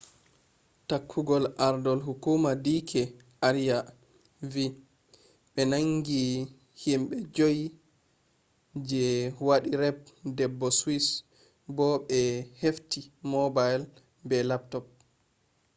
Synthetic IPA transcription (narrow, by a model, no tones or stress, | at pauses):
takʰːuɡɔlʔaɾdɔlɦukumadikʰɛ | ʔaɾija | vi | ɓɛnaŋɡi | himɓɛd͡ʒoji | d͡ʒɛwaɗiɾɛp̚dɛbːɔswis | bɔɓɛheftimɔbajl | bɛlap̚tɔp̚